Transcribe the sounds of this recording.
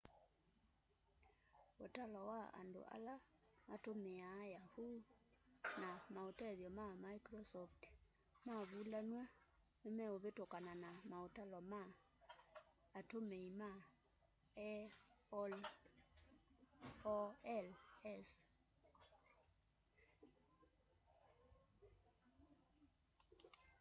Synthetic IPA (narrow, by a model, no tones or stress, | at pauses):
otalɔwaa̰ndo̰ʔa̰lamatomeaːjahuː | namaotɛðjɔmamaikɾɔsɔft | maβulanwɛ | memɛoβetokananamaotalɔma | tomeima | ɛ | l | ɔɛlɛs